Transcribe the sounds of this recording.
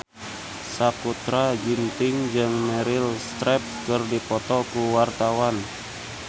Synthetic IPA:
sakut̪ɾad͡ʒint̪ɪŋd͡ʒɨŋmɛɾɪlst̪ɾɛp̚kɨrdipɔt̪ɔkuwart̪awan

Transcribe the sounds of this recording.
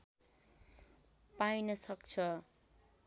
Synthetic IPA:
pajnʌsʌkt͡sʰʌ

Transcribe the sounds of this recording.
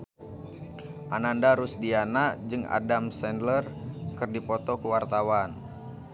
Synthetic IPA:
ʔanandaɾusdianad͡ʒɨŋa̰damsɛndlərkɨrdipɔt̪ɔkuwart̪awan

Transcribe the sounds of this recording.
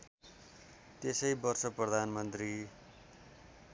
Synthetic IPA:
t̪esʌjbʌrsʌprʌd̪ʱanmʌnt̪ri

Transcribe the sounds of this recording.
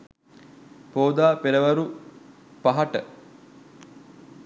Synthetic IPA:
poːd̪aːpeɾəʋɐɾu | paɦɐʈə

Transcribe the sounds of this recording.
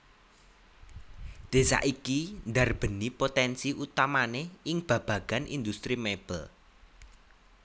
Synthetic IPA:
d̪̥e̤sa̰ʔikind̪arb̥ə̤nipot̪ɛnsiʔut̪amaneɪŋb̥ä̤b̥ä̤ɡ̥a̤nʔḭnd̪ust̪ɾimeb̥əl

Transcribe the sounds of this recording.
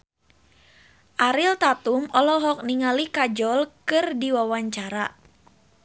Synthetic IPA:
ʔaɾilt̪at̪umɔlɔɦɔk̚niŋalikad͡ʒɔlkɨrdiwawaɲt͡ʃaɾa

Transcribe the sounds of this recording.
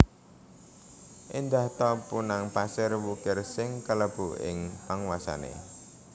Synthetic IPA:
ʔind̪aht̪ɔpunaŋpasɪrwukɪrsɪŋkələb̥uʔɪ̰ŋpaŋwasa̰nḛ

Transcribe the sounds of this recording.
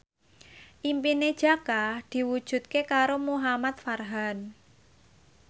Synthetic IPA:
ʔimpined̥ʒ̥a̤kad̪̥i̤wud̥ʒ̥ṳt̪̚kekaɾomuɦamat̪̚farɦan

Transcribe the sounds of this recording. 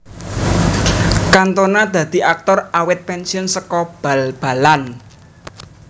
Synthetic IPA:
kant̪onad̪̥ä̤d̪̥i̤ʔak̚t̪ɔrawɪt̪̚pɛnsiɔnsəkɔb̥alb̥a̤lan

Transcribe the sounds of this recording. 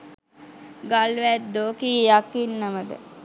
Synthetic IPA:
ɡalʋæt̪d̪oːkijakːinːaməd̪ə̰

